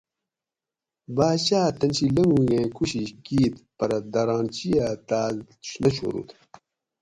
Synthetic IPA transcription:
baːɕaːt̪ɐnɕilɐŋɡuɡẽːkʰuɕiɕkiːt̪pɐɾɐd̪ɐɾaːnt͡ɕijat̪aː | ɕnɐɕo̰ːɾṵt̪

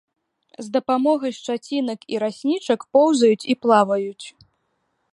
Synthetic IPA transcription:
zd̪ɐpamɔɣɐst͡ʂat͡sʲinɐkiɾasʲnʲit͡ʂɐkpɔwzɐjut͡sʲiplˠavɐjut͡sʲ

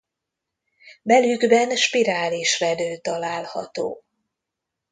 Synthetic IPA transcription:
mɛlyɡbɛnʃpiɾaːliʃrɛd̪øːt̪ɒlaːlhɒ̰t̪o̰ː

